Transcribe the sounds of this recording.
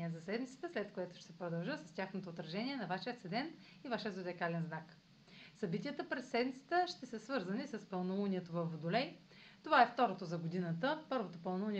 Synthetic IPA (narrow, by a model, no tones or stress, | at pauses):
iɛzɐsɛd̪mit̪sə̥t̪əslɛt̪kojɛt̪ʊ̥ʃt̪ɛsɛpɾod̪ɐlˠʒɤsɐ̥st̪ʲjaxnot̪oːt̪ɾɐʒɛnʲiɛnɐvaʃiət̪sɛd̪ɛn | ivaʃiəzod̪ɛkalɛnznak | sɐbit̪iət̪əpɾɛsɛd̪mʲit̪sə̥t̪əʃt̪ɛsəsvɤɾzənisəspəlˠnouniɛt̪ovɐfːod̪ʊlɛj | t̪ovaɛft̪ɔɾot̪ozɐɡod̪inət̪əpɤɾvot̪opəlˠnouni